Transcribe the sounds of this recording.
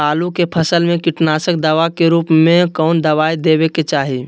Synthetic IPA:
aːlukepʰəsəlmẽkɪʈnaːsək̚d̪əʋakeɾuːpmẽkɔːnd̪ɐʋaːid̪eːbeket͡ʃaːɦi

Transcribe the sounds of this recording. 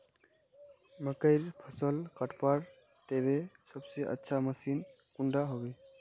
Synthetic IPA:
məkəɪɾpʰəsəlkəʈpaɾ | t̪ebesəbseʔə̰tːʃʰaməsin | kuɳɖaɦoɡe

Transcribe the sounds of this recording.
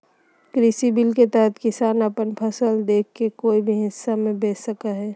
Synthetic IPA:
kɾisibilket̪əɦət̪ʰkɪsaːnəpənpʰəsəld̪eːkʰkekoːibʱiɦɪsːamẽbeːsəkaɦɛː

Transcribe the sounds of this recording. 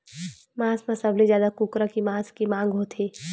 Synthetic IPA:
mãːsmãsɐblizjaːd̪akuːkɾakimãːskimãːŋɡɦot̪ʰeː

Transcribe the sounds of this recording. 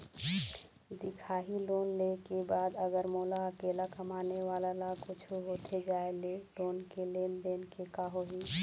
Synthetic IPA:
d̪ikʰaɦilonlekebad̪əɡəɾmolaəkelakəmaneʋalalakut͡ʃʰuɦot̪ʰed͡ʒaelelonkelend̪enkekaɦoɦi

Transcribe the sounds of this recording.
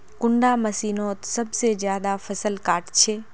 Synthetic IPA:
kʊ̃ɳɖamɐsiːnoːt̪sɐbʱsezjaːd̪afɐsəlkaːʈt͡ʃʰeː

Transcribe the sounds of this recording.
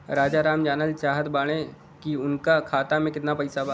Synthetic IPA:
ɾaːd͡ʒaɾaːmd͡ʒaːnəlt͡ʃaːɦəd̪baːɽ̃e | kiʊnkakʰaːt̪amẽkɪt̪napɐɪsaba

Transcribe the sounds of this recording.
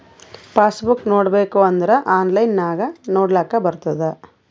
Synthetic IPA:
paːsbuknoːɽbe̞ːkuɐnd̪ɐɾeʔaːnlɐjnːaːɡɐnoːɽlaːkɐbɐɾut̪ːɐd̪e

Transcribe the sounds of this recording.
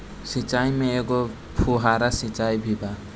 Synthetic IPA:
sit͡ʃajmẽeɡɔ | pʰuɦaɾasĩt͡ʃajbʱiba

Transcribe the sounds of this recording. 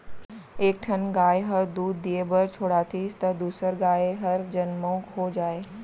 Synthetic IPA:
eːk̚ʈʰɐnɡaːeɦɐɾd̪uːd̪ːijebəɾt͡ʃʰoːɽaːt̪ʰist̪ɐd̪uːsəɾɡaːjeɦɐɾd͡ʒɐnmõːkɦoːd͡ʒaːeː

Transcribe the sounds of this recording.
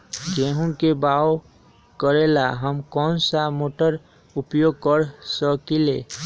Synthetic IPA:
ɡeɦũkebao | kəɾelaɦəmkɔnsamoʈəɾ | upjoɡ̚kəɾsəkile

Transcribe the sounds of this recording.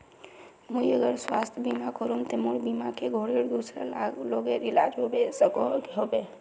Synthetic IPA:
mujəɡəɾswast̪ʰbimakɔɾumt̪emuɽbimakeɡʱoɽiɾd̪usɾə̰laloɡeɾila̰d͡ʒɦobesəkɔkɦobe

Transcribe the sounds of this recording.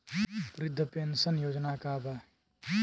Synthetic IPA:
pɾɪd̪ʱːəpensənjoːd͡ʒnakabʱa

